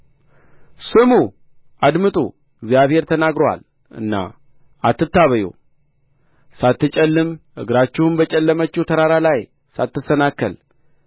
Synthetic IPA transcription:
sɨmu | ʔad̪mɨt̪ʼṵ | ɨɡzijaβhe̞ɾt̪ʰənaɡɾowa̰l | ʔɨ̰nːa̰ | ʔat̪ːɨt̪ːaβəjo̰ | sat̪ːɨt͡ʃʼɛlːɨmʔɨɡɾat͡ʃːɪhunbət͡ʃʼɛlːəmət͡ʃːut̪ʰəɾaɾalaj | sat̪ːɨsənakːə̰l

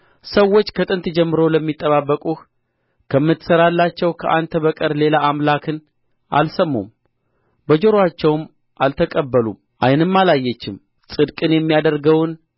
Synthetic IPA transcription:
səwːo̞t͡ʃːkʰət̪ʼɨnt̪d͡ʒɛmːɨɾo̞ləmːit̪ʼːəβabːəkʼuh | kʰəmːɨt̪ːɨ̥səɾalːat͡ʃːɛwkʰəʔant̪ʰəβəkʼəɾle̞laːmlakʰɨn | ʔa̰lsəmːṵm | bəd͡ʒo̞ɾoat͡ʃːɛwm | ʔalt̪ʰəkʼəbːəlṵm | ʔajnɨmːalajːɛt͡ʃːɪm | sʼɨd̪kʼɨnjɛmːijad̪əɾɡəwn

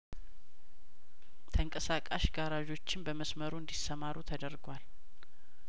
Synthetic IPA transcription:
t̪ʰəŋkʼəsakʼaʃɡaɾaʒo̞t͡ʃːɪnbəməsməɾuɨnd̪isəmaɾut̪ʰəd̪əɾɡwal

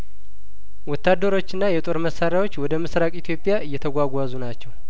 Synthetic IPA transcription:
wɔt̪ːad̪ːəɾo̞t͡ʃːɨnːajɛt̪ʼo̞ɾməsːaɾjawot͡ʃːwɔd̪əmɨsɾakʼit̪ʰjo̞pʼijaʔɨjːɛt̪ʰəɡʷaɡʷazunat͡ʃːɛw

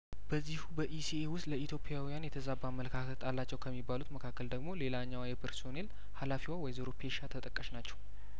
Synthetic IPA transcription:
b̥əzːihubəʔisiewʊst̪ʼləit̪ʰjo̞pʰʼijawijanjɛt̪ʰəzabamːələkʰakʰət̪ʼalːat͡ʃːɛwkʰəmːibːalut̪məkʰakːəld̪əɡmo̞le̞laɲːawjɛpʰəɾso̞ne̞l | halafiwawɔjzeɾopʰeʃat̪ʰət̪ʼəkʼːəʃnat͡ʃːɛw

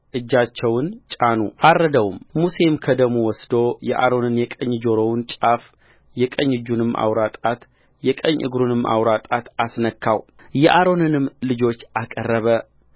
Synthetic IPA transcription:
ʔɨd͡ʒːat͡ʃːɛwɨnt͡ʃʼanṵʔarːəd̪əwmmuse̞mkʰəd̪əɡmuwɔsd̪o̞jɛʔaɾo̞nɨnjɛkʼəɲːd͡ʒo̞ɾownt͡ʃʼaf | jɛkʼəɲːɨd͡ʒunɨmːʔa̰wɾat̪ʼat̪ | jɛkʼəɲːʔɨ̰ɡɾunɨmʔa̰wɾat̪ʼat̪asnəkʰːaw | jɛʔaɾo̞nɨnɨmlɨd͡ʒo̞t͡ʃːʔakʼərːəβə

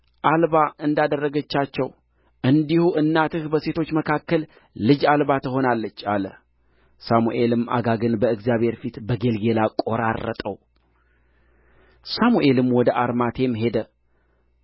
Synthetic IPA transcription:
ʔalβaʔɨnd̪ad̪ərːəɡət͡ʃːat͡ʃːɛw | ɨnd̪ihuʔɨnːat̪ɨhbəse̞t̪ʰo̞t͡ʃːməkʰakːəlː | ɨd͡ʒalbat̪əɦo̞nalːət͡ʃːalə | samuʔe̞lɨma̰ɡaɡɨnbəɨɡzijaβhe̞ɾfit̪bəɡe̞lɡe̞lakʼo̞ɾa̰rːə̰t̪ʼəw | samuʔe̞lɨmwɔd̪əʔaɾmat̪ʰe̞mɦe̞d̪ə

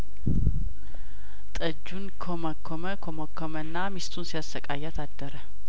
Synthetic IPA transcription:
t̪ʼəd͡ʒːunkʰoməkʰːoməkʰomokʰːomənːamist̪ʰunsijasːəkʼajat̪ʰad̪ːəɾə

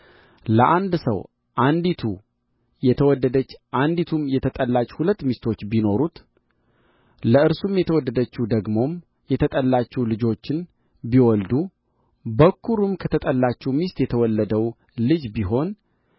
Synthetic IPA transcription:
ləʔand̪sə̰w | ʔand̪it̪ʰu | jɛt̪ʰəwɔd̪ːəd̪ət͡ʃːʔand̪it̪ʰumjɛt̪ʰət̪ʼəlːat͡ʃʼhulət̪ːmist̪ʰo̞t͡ʃːbino̞ɾut̪ | ləɨɾsumjɛt̪ʰəwɔd̪ːəd̪ət͡ʃːɛd̪əɡmo̞m | jɛt̪ʰət̪ʼəlːat͡ʃːɛwlɨd͡ʒo̞t͡ʃːɪn | biwɔld̪u | bəkːuɾumkʰət̪ʰət̪ʼəlːat͡ʃːɛwmist̪jɛt̪ʰəwɔlːəd̪əw | lɨd͡ʒbiɦo̞n

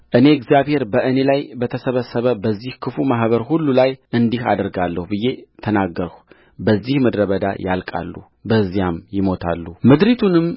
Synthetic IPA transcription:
ʔɨne̞ɡzjaβhe̞ɾbəʔɨne̞lajbət̪ʰəsəβəsːəβəbəzːihkʰɨfumaɦβəɾhulːulajʔɨnd̪iha̰d̪əɾɡalːəhubɨjːe̞t̪ʰənaɡːəɾəw | bəzːihməd̪ɾəβəd̪a̰ja̰lkʼa̰lːu | bəzːijamjɪmo̞t̪ʰa̰lːumɨd̪ɾit̪ʰunɨm

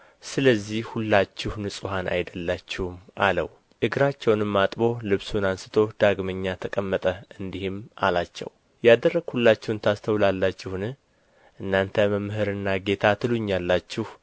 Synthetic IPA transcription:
sɨləzːihhulːat͡ʃːɪhnɨsʼuhanʔa̰jd̪əlːat͡ʃːɪhumʔalə̰w | ʔɨɡɾat͡ʃːɛwnɨmːat̪ʼbo̞lɨβsunansɨ̥t̪ʰo̞d̪̥aɡməɲːat̪ʰəkʼəmːət̪ʼəɨnd̪ihɨma̰lat͡ʃːɛ̰w | jad̪ərːəɡhulːat͡ʃːɛwnt̪ʰast̪ʰəwlalːat͡ʃːɪhnɨ | ʔɨnːant̪ʰəməmːɦɨɾɨnːaɡe̞t̪ʰat̪ʰɨluɲːalːat͡ʃːɪh

